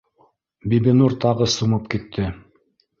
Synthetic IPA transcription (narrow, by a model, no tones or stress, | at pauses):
bibinuɾt̪ɑʁɤsumɤp̚kit̪ʰːɘ